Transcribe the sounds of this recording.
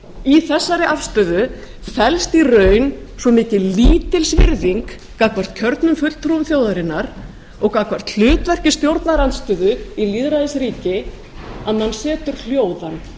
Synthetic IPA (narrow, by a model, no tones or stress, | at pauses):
iθɛsːaɾɪʔafst̪ʏːðʏ | fɛlst̪irœːɥnsvɔmɪːcɪliːt̪ɪlsvɪ̰ɾðiŋkː | akvar̥t̪̚cʰœɾt̪nʏmfʏtlt̪ʰɾumθjowðaɾɪnːaɾ | ɔɣkakvar̥t̪l̥ʏːt̪vɛr̥cɪst̪jowɾt̪naɾant̪st̪ʏːðʏiliːðɾaðɪsɾiːcɪ | aðmansɛːt̪ʏɾ̥l̥joːwðan